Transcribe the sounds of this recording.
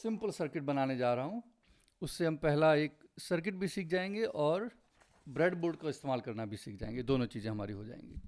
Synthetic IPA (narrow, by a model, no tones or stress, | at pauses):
sɪ̃mpəlsəɾkɪʈ̚bɐnaːned͡ʒaːɾɐɦõ | ʊsːeɦɐmpɛɦlaeːksəɾk̬ɪʈ̚bʱisiːk̚ʰd͡ʒaːẽːŋ̆ɡeʔɔːɾ | bɾeːɖboːlɖkoɪst̪eːmaːlkɐɾnabʱisiːk̚ʰd͡ʒa̰ːḛ̃ŋɡed̪oːnõt͡ʃiːzẽɦɐmaːɾiɦod͡ʒa̰ːḛ̃ːŋɡḭː